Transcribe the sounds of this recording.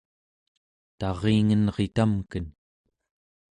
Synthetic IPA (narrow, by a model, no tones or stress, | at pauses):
t̪ɑʁeːŋənʁe̞t̪amkən